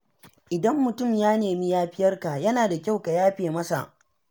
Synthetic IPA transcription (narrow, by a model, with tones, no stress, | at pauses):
ʔɪ˨dɐ˦mːʊ˨tʊ˦˨mjaː˦neː˨mi˦jaː˦ɸɪ˦jɐ˦rka˨jɐ˦naː˨da˨kʲa˦˨wka˨jaː˦ɸeː˨mɐ˦sa̰˨ʔ